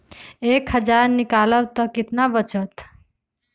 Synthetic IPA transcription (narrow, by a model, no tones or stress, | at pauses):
ekhəd͡ʒaɾnɪkaləʋt̪ɔkɪt̪naʋət͡ʃət̪